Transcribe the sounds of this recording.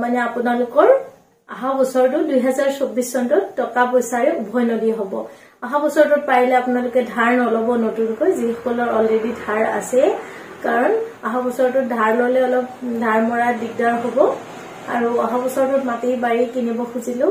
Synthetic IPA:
manɛapʊnalʊkɔɹ | aɦãbɔsɔɹtʊdujɦɛzaɹsobːisːɔntɔttɔkapɔjsaɹɛubʱɔjnodiɦobɔ | aɦabɔsɔɹtʊt̚paɹilɛapunalʊkɛdʱaɹnɔlɔbɔnotunkɔjzixɔ̥kɔlɔɹɔledidʱaɹa̰sɛ | kaɹɔnaɦabɔsɔɹtʊdʱaɹlɔlɛɔlɔp̚dʱaɹmɔɹadik̚daɹɦobɔ | a̰ɹuaɦabɔsɔɹtɔtmatejbaɹikinibɔxuzilʊ̃

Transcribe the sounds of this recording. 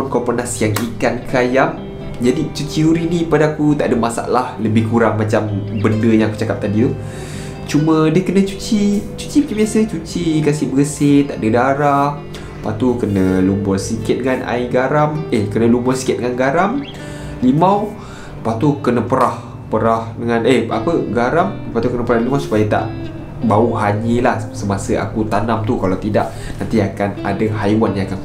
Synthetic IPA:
unkɔpənasjaŋikankajam | d͡ʒadit͡ʃut͡ʃiuɾinipadaakut̪aʔdəmasa̰ʔlahləbɪhkuɾaŋmat͡ʃambəndəjãŋaku̥t͡ʃakap̚t̪adiu | t͡ʃumə̃diəkənət͡ʃut͡ʃit͡ʃu̥t͡ʃimat͡ʃambiasət͡ʃut͡ʃikasɪbəəsɪt̪aʔdədaɾah | pat̪ukənəlumbɔrsikɪt̪̚dəŋana̰iɡaɾamekənəlumbɔrsi̥kɪt̪̚dəŋanɡaɾam | limaw | pat̪ukənəpəɾah | pəɾahdəŋanəhapəɡaɾampat̪ukənəpəɾahlimawsu̥pajət̪a̰ʔ | bauɦaɲəlahsəmasəa̰kut̪anamt̪ukalawt̪idaʔ | nãnt̪iakana̰daɦajwanjãakan

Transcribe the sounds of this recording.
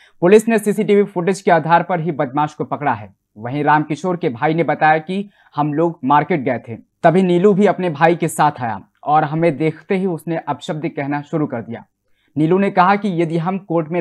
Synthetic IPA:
pʊlɪsnesiːsiʈiːʋifʊʈɪd͡ʒkeaːd̪ʱaːɾpɐɾɦibɐd̪̚maːʃkopɐkɽaɦɛ̰ː | ʋɐɦĩɾaːmkɪʃoːɾkebʱaːinebɐt̪aːjaki | hɐmloːɡmaːɾkeːʈ̚ɡɐet̪ʰḛ̃ːt̪ɐbʱiniːlubʱiɐpnebʱaːikesaːt̪ʰaːja̰ | ɔːɾɦɐmẽd̪eːkʰt̪eɦiʊsneʔɐbʃəb̚d̪ʱəkɛɦnaʃʊɾukɐɾd̪ija̰ː | niːlunekɐɦakijɐd̪iɦɐmkoːɾʈmẽ

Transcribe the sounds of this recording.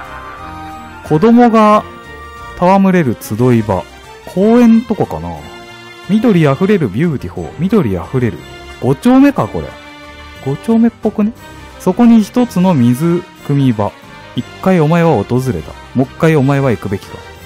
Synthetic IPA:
kʰo̞d̪o̞mo̞ɡa | t̪ʰaβamɯ̟ɾe̞ɾɯ̟t͡sɨd̪o̞iba̰ | kʰoːẽ̞nt̪o̞koka̰na̰ | mʲid̪o̞ɾʲiaɸɯ̟ɾe̞ɾɯ̟bʲɯːt̪ʲiho̞̰ːmʲid̪o̞ɾʲia̰ɸɯ̟ɾe̞ɾɯ̟̰ | ɡ̥o̞t͡ɕo̞ːme̞kako̞̰ɾḛ | ɡ̥o̞t͡ɕo̞ːme̞pːo̞kɯ̟ne | so̞ko̞ɲ̟içi̥t̪o̞t͡sɨno̞mʲizɨ | kɯ̟mʲiba | ikːaio̞mae̞β̞ao̞t̪o̞zɨɾe̞t̪a̰ | mo̞kːaio̞mae̞β̞aikɯ̟be̞kʲi̥t̪a

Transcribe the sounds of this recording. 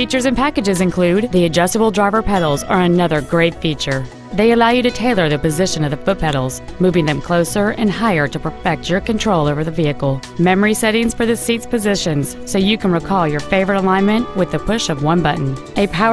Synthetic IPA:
fit͡ʃə˞zɨ̃npʰækɨd͡ʒɨzɨ̃nkʰl̥ʉd̪̚ðiɨd͡ʒʌstəbl̩ˠdɹaɪvə˞pʰɛɾl̩ˠzə˞ɨnʌðə˞ɡɹeɪv̥fit͡ʃə˞ | ðeɪɨlaʊjɨɾɨtʰeɪlˠə˞ðɨpɨzɪʃɨ̃nʌvðɨfʊt̚pʰɛɾl̩ˠz̥mʉvɪ̃ŋðɨ̃mkʰl̥oʊsə˞ʔɨ̰̃nhaɪə˞ɾɨpʰəfɛk̚tə˞kɨ̃ntʰɹ̥oʊlˠoʊvə˞ðɨviɨkl̩ˠ | mɛmə˞isɛɾɪ̃ŋz̥fə˞ðɨsitspɨzɪʃɨ̃nz̥soʊjɨkʰɨ̃n̩ɹikʰɔlˠjə˞feɪvə˞ɨɾəlãɪ̃nmɨ̃nʔwɨðɨpʰʊʃʌvwʌ̃nbʌʔn̩ɨpʰaʊ

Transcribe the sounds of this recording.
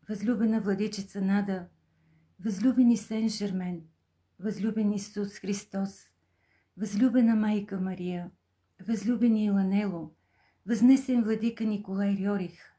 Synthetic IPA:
vɐzlʲubɛnəvlˠɐd̪it͡ʃɛt̪sənad̪ə | vɐzlʲubɛnisɛnʒɛɾmɛn | vɐzlʲubɛnisusxɾist̪ɔs | vɐzlʲubɛnəmajkəmɐɾijə | vɐzlʲubɛnilˠɐnɛlˠo | vɐznɛsɛnvlˠɐd̪ikənikolˠajɾjɔɾix

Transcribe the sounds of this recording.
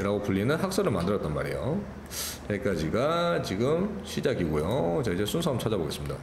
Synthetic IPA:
ɾaɡopuʎːinɯnhak̚s͈ʌɾɯɭmandɯɾʌt͈ʌnma̰ɾḛjo | t͡ɕek͈ad͡ʑiɡat͡ɕiɡɯmɕʰid͡ʑaɡiɡojot͡ɕaid͡ʑe̞sʰunsʰamt͡ɕʰad͡ʑaboɡe̞s͈ɯmɲida̰

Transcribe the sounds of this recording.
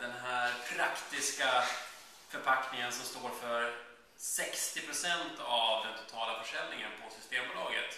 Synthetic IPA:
d̪ɛnɦæːɾpʰɾakt̪ɪska | fœɾpʰaknɪŋənsɔmst̪oːɾfœɾ | sɛkst̪ɪpʰɾʊsɛnt̪avd̪ɛnt̪ʰʊ̥t̪ʰɑːlafœʂɛlnɪŋə̰npʰɔsʏst̪eːmbʊːlɑːɡə̰t̪

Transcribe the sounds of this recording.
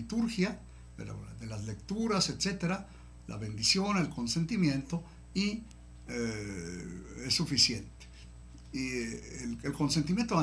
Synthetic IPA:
it̪uɾxja | eɾa̰ðelazle̞kt̪uɾaset̪se̞t̪eɾa | la̰βe̞nd̪isjo̞ne̞lko̞nse̞nt̪imjẽ̞nt̪o̞ | i | e | esːufisje̞nt̪e̥ | i | elko̞nsent̪imje̞nt̪oa

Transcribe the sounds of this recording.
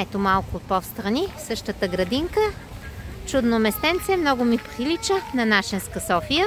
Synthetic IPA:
ɛt̪omalˠkʊːt̪̚pɔfst̪ɾɐnisɤʃt̪ət̪əɡɾɐd̪iŋkə | t͡ʃud̪nomɛst̪ɛnt̪sɛmnɔɡʊmipɾilit͡ʃənɐnaʃɛnskəsɔfijə

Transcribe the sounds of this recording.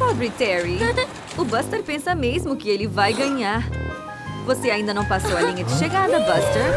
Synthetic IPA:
pɔbɾit̪ɛɾi | ʊbɐst̪ɐɾpẽsɐmezmʊkɪelɪvajɡɐ̃ɲaɾ | voseaĩnd̪ɐnɐ̃w̃pasowɐlĩɲɐd͡ʒɪʃeɡaɾd̪ɐbɐst̪eɾ

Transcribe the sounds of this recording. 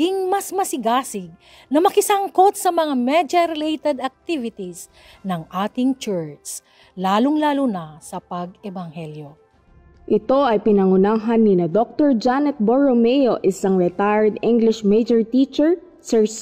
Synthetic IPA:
iŋmɐsmɐsɪɡaːsɪɡ̚ | nɐmɐkɪsɐŋko̞t̪̚sɐmɐŋamɛd͡ʒɐɾɛlejt̪ɛd̪ɐk̚t̪ivɪt̪is | nɐŋʔaːt̪ɪŋt͡ʃɛɹt̪s | laːloŋlaːlʊnɐsɐpɐɡ̚ɛbɐŋhɛljo | ʔɪt̪o̞ʔɐjpɪnɐŋʊnaːɦɐnːinɐd̪ok̚t̪oɹd͡ʒanɛt̪̚boɹomɛjoʔɪsaŋɹɛt̪ajɹd̪iŋɡlɪʃmejd͡ʒɔɹt̪iːt͡ʃɛɹ | sɛɹs

